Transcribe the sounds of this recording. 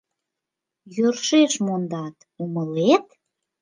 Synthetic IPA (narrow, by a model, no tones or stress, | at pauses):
jørʃeʃmond̪ɑt̪ | uməlet̪